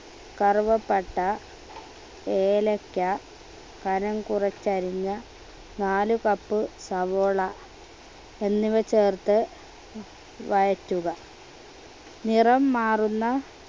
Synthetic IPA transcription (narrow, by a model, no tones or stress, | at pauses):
kɐrʋɐpːɐʈːɐ | eːlɐkːɐ | kɐnɐŋkurɐt͡ɕːɐɾiɲːɐ | naːlukɐpːɨsɐʋoːɭɐ | e̞nːiʋɐt͡ɕːeːrt̪ɨ | ʋɐjɐtːuɣɐ | nirɐmːaːrunːɐ